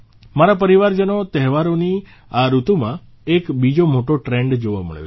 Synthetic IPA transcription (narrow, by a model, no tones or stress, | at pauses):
maɾapəɾiʋaɾd͡ʒənot̪ɛɦʋaɾoni | aɾut̪umã | ekbid͡ʒomoʈoʈɾɛɳɖd͡ʒoʋa̰mə̰ɭjo̰